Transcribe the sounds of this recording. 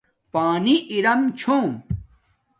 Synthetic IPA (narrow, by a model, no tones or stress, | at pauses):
paːniʔiɾɐmt͡ɕʰõː